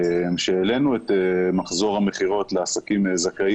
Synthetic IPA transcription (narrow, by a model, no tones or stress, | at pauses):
mʃeːlenuet̪emaχzo̞ʁhame̞χiʁo̞t̪leasakimzakai